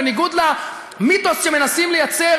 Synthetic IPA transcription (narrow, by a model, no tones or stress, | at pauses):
niɡud̪la | mit̪o̞sʃemenasimlejat͡se